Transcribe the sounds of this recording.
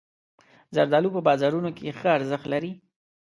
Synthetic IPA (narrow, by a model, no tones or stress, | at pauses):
zaɾd̪ɑlupəbɑzɑɾunokeexəaɾzəxt̪laɾi